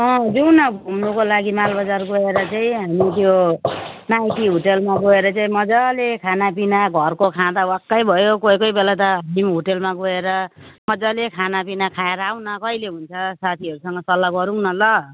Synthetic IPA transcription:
ʌ̃d͡zuwnʌbʱumnukolaɡimalbʌd͡zarɡoeɾʌt͡saĩɦamit̪jo | najʈiɦoʈelmaɡoeɾʌt͡saĩmʌd͡zalekʰanapinaɡʱʌrkokʰãd̪awakːʌjbʱʌjokojkʌjbelat̪ʌɦimɦoʈelmaɡoeɾʌmʌd͡zalekʰanapinakʰaeɾʌawnʌkʌjleɦunt͡sʰʌsat̪ʰiʌɾusʌŋɡʌsʌlːaɡʌɾuŋnʌlʌ

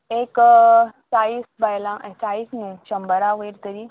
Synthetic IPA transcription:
ek | saiːsbajlãʔet͡saisnũːɕəmbəɾaʋəjɾt̪əɾiː

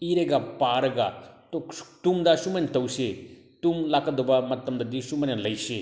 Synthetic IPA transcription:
iɾeɡapaːɾɐɡat̪o̥t̪umd̪aʃumɐnt̪ɐwse | t̪umlakɐd̪obamɐt̪ːɐmd̪ad̪iʃumɐnalɐise

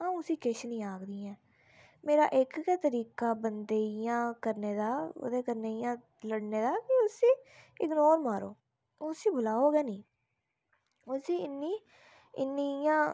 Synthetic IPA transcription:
ãːũsiːkɪʃnĩːaːkd̪iːɛ̃ː | meːɾa̰ːʔɪkːt̪əɾiːkaːbənd̪eːijãːkəɾneːd̪aːʊ̰d̪eːkəɾneːijãː | ləɽneːd̪aːkɪʊsiːɪɡnoːɾmaːɾo̰ː | sĩːbʊlaːoːɡɛːnĩː | ʊsiːɪnːiː | ɪnːijãː

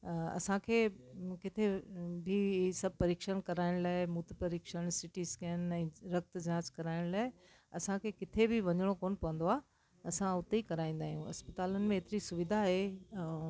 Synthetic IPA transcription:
ɐ̰sãkʰeːkɪt̪ʰebʱisɐbʱpɐɾiːkʃənkɐɾaːɪɽ̃laːɪmuːt̪pɐɾiːkʃəɽ̃sɪʈiːzkɐjən̆ɛ̃ːɾɐk̚t̪d͡ʑaːd͡ʑkɐɾaːɪɽ̃laːɪ | ɐsãkʰeːkɪt̪ʰebʱɪʋɐɲəɽ̃okoːnpɐʋə̃n̆d̪oaː | ɐsãʊt̪eikɐɾaːĩːnd̪aːɦijũɐ̰spət̪aːlənɪ̆mẽɦːt̪ɪɾisʊʋɪd̪ʱaɦe

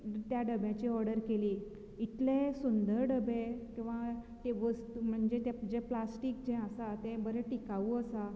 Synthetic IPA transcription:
t̪jaɖəbjãt͡ɕiːɔɾɽəɾkeliː | it̪lẽsund̪əɾɖəbekĩw̃ʋat̪eʋəst̪um̤əɳd͡ʑet̪ed͡ʑeplasʈikd͡ʑɛ̃əsat̪ɛ̃bəɾɛʈikaʋuəsa

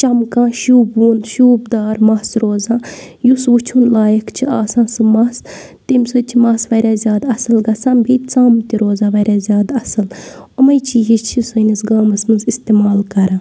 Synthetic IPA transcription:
t͡ʃɐmkãːʃuːbuːnʃuːbd̪aːɾmɐsɾoːzãː | jusʋut͡ʃʰunlaːjɐkt͡ʃʰiaːsãːsɨmɐs | t̪imʲsɨt͡ʃʰimɐsʋɐɾʲaːzʲjaːd̪ɐsɨlɡɐt͡sãːbit͡saːmt̪iɾoːzãːʋɐɾʲjaːzʲjaːd̪ɐsɨl | omɐjt͡ʃid͡ʒit͡ʃʰisɨnisɡaːmɐsmɐnzist̪eːmaːlkɐɾãː

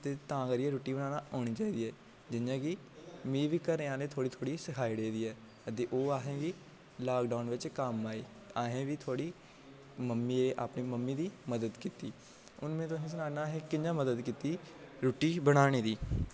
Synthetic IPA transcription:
t̪eːt̪ãːkəɾiːɛːɾoːʈːiːbənaːnaːoːɽ̃iːt͡ʃaːiːd̪iːɛː | d͡ʒɪnjãːɡi | miːʋiːkəɾẽːãːleːt̪ʰoːɽiːt̪ʰoːɽiːsəkʰaːiːɽeːd̪iːɛː | t̪eːʔoːaːɦẽːɡiː | laːkɖaːnʋɪt͡ʃkəmːaːiː | aːɦẽːʋiːt̪ʰoːɽiː | məmːiːeːʔa̰ːpniːməmːiːd̪iːməd̪əd̪kiːt̪iː | ʊnmẽːt̪ʊsĩːs̬ənaːnaːɦẽːkɪãːməd̪əd̪kiːt̪iːɾoːʈːiːbəɽ̃aːɽ̃iːd̪iː

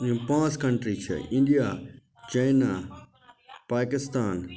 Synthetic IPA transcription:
ũpãːt͡ʃkɐ̃ɳʈɾit͡ʃʰɐ̰ʔɪ̃ɳɖija | t͡ʃɐjna | paːkɪst̪aːn

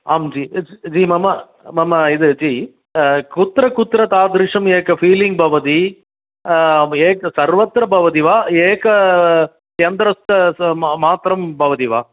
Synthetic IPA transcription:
aːmd͡ʒiːd͡ʒiːmɐmɐ | mɐmɐɪðɯd͡ʒiː | kʊt̪ːɾɐkʊt̪ɾɐt̪aːd̪ɾɪʂɐmeːkɐfiːlɪŋɡ̚bɐʋɐt̪i | eːkɐsɐɾʋɐt̪ɾɐbɐʋɐt̪iʋaːeːkɐ | t͡ʃɐnd̪ɾɐst̪ɐmaːt̪ɾɐmbɐʋɐt̪iʋaː

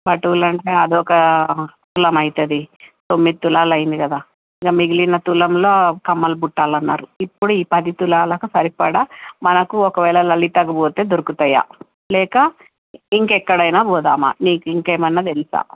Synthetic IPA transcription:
bɐʈuːlɐɳʈe̞ːɐd̪iɔkɐt̪ulɐmɐjt̪ɐd̪it̪o̞mːid̪it̪ulaːlɐjind̪ikɐd̪aː | iɡɐmiɡilinɐt̪ulɐmlo̞ːkɐmːɐlbuʈːaːlɐnːa̰ːɾuipːuɽuiːpɐd̪it̪ulaːlɐkɐsɐɾipɐɽamɐnɐkuɔkɐʋɛːlɐlɐlit̪ɐɡɐboːt̪eːd̪oɾukut̪ɐja̰ː | lɛːkɐ | iŋkɛkːɐɽɐjnaːbɔːd̪aːma̰niːkuiŋkeːmɐnːɐt̪elisa̰ːm

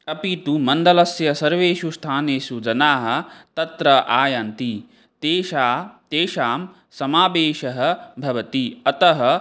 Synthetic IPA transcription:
ɐpit̪umɐnd̪ɐlɐsjɐsɐɾʋeːʃust̪ʰaːneːsud͡ʒɐnaːɦɐ̆t̪ɐt̪ɾɐʔaːjɐnt̪i | t̪eːʃaːt̪eːʃaːm | sɐmaːbeːʃɐɦɐ̆bʱɐʋɐt̪iɐt̪ɐɦɐ̆

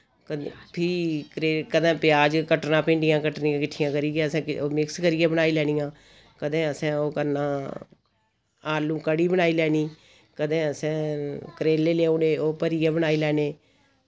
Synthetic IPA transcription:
kəpʰɪkɾeːkəd̪ɛ̃ːpɪjaːd͡ʒkəʈnãːpẽːɳɖɪjãːkəʈnɪ̃jãːkɪʈʰːɪjãːkəɾiːɛːəsɛ̃ːoːmɪkskəɾiːaːbənaːiːlɛːniːãː | kəd̪ẽːəsɛ̃ːoːkəɾnãː | aːlũːkəɽiːbənaːiːlɛːniː | kəd̪ẽːəsɛ̃ːkəɾeːlːeːleːõːeːoːpəɾijãːbənaːiːlɛːneː

